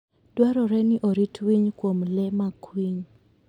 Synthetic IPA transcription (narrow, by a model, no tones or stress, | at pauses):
dwaɾɔɾɛniʔɔɾitʰwiɲkwomlɛmakʰwiɲ